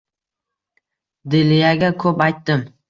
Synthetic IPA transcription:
d̪ɪlɪjaɡʲakʰɵpajt̪ːɪm

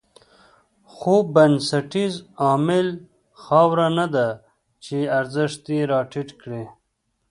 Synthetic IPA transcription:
xobɐnsɐʈizɑːmɪl | xɑːwɾanad̪a | t͡ʃeɐɾzəʂt̪̚iɾɑːʈʰiʈkɽe

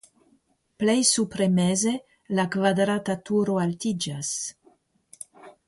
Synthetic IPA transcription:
plejsupɾemeze | lakvad̪ɾatatuɾoaltid͡ʒas

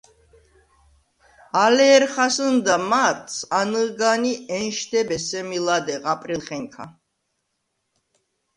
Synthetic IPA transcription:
alɛːɾχasənd̪amaɾt̪ʰsanɨɡaniɛnʃd̪ɛbɛsɛmilad̪ɛʁapʼɾilˠχɛŋkʰa̰

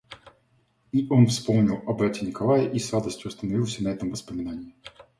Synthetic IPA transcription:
iʔo̞nfspo̞mnʲɪlˠɐbɾatʲɪnʲɪkɐlˠajəʔisrad̪əsʲtʲjʊɐst̪ənɐvʲilˠsʲənɐɛt̪əmvəspəmʲɪnanʲɪː

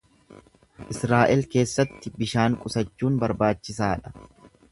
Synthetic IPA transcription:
ʔɪsɾaːʔɛlke̞ːsːɐt̪ːɪbɪʃaːŋkʼʊsɐt͡ʃːuːnbɐɾbaːt͡ʃːɪs̬aːᶑɐ̥

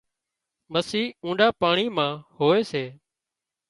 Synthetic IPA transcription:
məsiːũːɗaːpaːɳiːmãːhoːeːseː

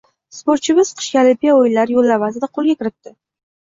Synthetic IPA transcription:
spoɾt̪t͡ʃʰɪbɪz̥qʰɨ̥ʃkʲalɪmpʲijaojlaɾjolːavazɪd̪aqʰolˠɡʲakʲɪɾɪt̪ːɪ

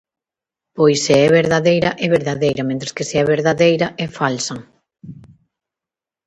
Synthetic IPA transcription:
pojseɛβeɾðaðejɾɐʔɛβeɾðaðejɾɐmẽnt̪ɾeskeseɛβeɾðaðejɾɐʔɛfalsɐ

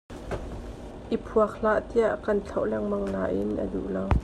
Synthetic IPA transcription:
ʔipʰuɐk̚l̥aʔt̪iaʔkɐnt͡ɬʰɐwlɛŋmɐŋlaʔɪnʔɐ̰dṵʔlaw

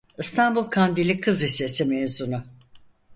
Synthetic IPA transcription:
ɯst̪ʰanbulˠkʰand̪ilʲikʰɯzisesimezunʊ

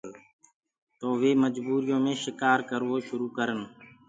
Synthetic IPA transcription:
t̪oːʋeːməd͡ʒbuːɾɪjõːmẽːʃɪkaːɾkəɾʋoːʃʊɾuːkəɾən

